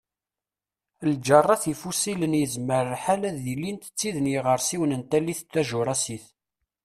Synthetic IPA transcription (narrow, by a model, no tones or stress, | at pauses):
ld͡ʒərˤːɑθifusilənjəzməɾəħalæðilːint̪ə̥t͡sːiðənjiʁəɾˤsiwənənt̪ælːiθt̪ːæʒʊɾˤɑsiθ